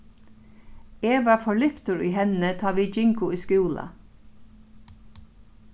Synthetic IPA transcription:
eːʋɑːfɔɭʏpt̪əɹiːɦɛnət̪ʰɑːʋiːd͡ʒɪŋkʊiːskuːlɑ̰

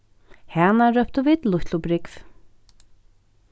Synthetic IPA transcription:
hɛːnaɾœpt̪ʏviːt̪lʊht̪lʊpɾɪkv

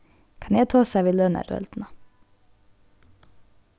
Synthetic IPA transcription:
kʰɑnjæt̪ʰoːsæːʋiːlœnə̰ɾœ̰ld̪̥n̩ɑ

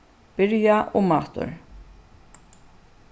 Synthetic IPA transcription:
b̥ɪɾjaʔɔmaːt̪ʊ̰ɾ

